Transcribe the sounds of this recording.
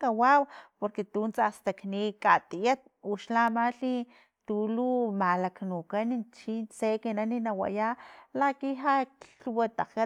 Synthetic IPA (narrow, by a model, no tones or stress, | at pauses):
kawawpoɾket̪unt͡sast̪aknikat̪ijat̪̚uʃlamaɬi | t̪ulumalaknukanint͡ʃint͡sekenaninawa̰jalakiɦakɬwat̪aka